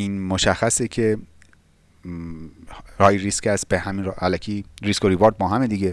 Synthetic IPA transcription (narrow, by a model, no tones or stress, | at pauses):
iːnmoʃæxːæsecʰe | ɾɒːjɾiskæs̚behæminʔælækʰiɾiskoɾiboːɾd̪̚bɒːɦæmed̪iɡe